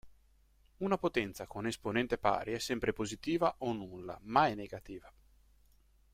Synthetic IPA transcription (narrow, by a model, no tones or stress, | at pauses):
unapot̪ɛnt̪sakonesponɛnt̪epa̰ːɾʔiɛsːɛmpɾepozit̪iːvaʔonːulːa̰maɛnːeɡat̪iːva